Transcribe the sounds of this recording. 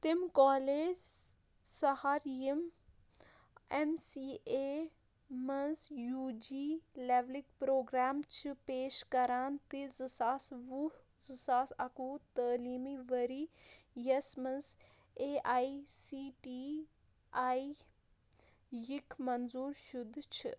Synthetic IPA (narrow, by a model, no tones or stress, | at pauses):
t̪ɪmkaːleːd͡ʒ | sɐhaːɾijem | emsiːe | mɐnzjuːd͡ʒiːleːʋlikpɾoːɡɾaːmt͡ʃʰipeːʃkɐɾaːnt̪izisaːsʋu | zisaːsɐkuːt̪əːliːmiʋɐɾiːjɐsmɐz | eːʔaːisiːʈiː | aːi | jikmɐnzuːɾʃʊd̪ʱt͡ʃʰḭ